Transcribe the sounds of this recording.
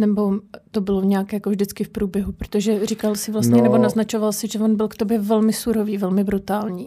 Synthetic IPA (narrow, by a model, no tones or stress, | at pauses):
nɛbo̞t̪o̞bɪloɲɛaːkjakovʒdɪt͡skɪfpɾuːbjɛɦupɾot̪o̞ʒɛrikalsɪvlast̪ɲɛnɛbonaznat͡ʃo̞valsɪʒɛvonbɪlkt̪o̞bjɛvɛlmɪsuɾoviːvɛlmɪbɾut̪aːlɲiː